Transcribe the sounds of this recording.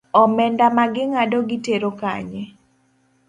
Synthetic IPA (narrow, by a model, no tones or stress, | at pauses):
ɔmɛndamaɡɪŋadɔɡɪteɾoka̰ɲɛ